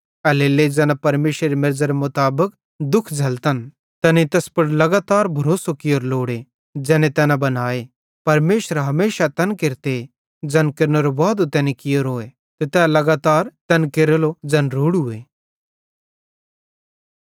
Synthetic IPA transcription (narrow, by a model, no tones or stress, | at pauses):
ɐleːled͡zɛːnapɐɾmeːʃɾeɾemɪɾzəɾemʊt̪aːbək | d̪ʊkʰd͡ʒʱɐlt̪ɐn | t̪ɐnit̪ɐspɐɽlɐɡaːt̪aːɾbʱɐɾoːsokɪjoːɾloːɽe | d͡ʒɛ̃ːnẽt̪ɛːnabɐnaːe | pɐɾmeːʃɾɦɐmeːʃat̪ɐnkɪɾt̪e | d͡ʒɛnkɪɾnəɾobaːd̪ot̪ɛːnikɪjoːɾɦoːe | t̪et̪ɛːlɐɡaːt̪aːɾt̪ɐnkeɾlod͡ʒɐːnɾoːɽʊeː